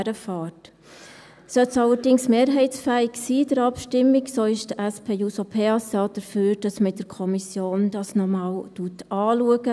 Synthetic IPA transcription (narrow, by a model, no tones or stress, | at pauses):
ɾəfɑːt | sœtsɑləɾdɪŋsmeːɾɦɛɪtsfæːɪksiːd̥əɾɑpʃtɪmɪksoːɪʃd̥əʔɛspʰeːjusopʰeːɑsɑːd̥əɾfyːɾd̥ɑsmədəɾkʰɔmisjoːnd̥ɑsnɔmɑːwtuətɑːluəɡ̥ə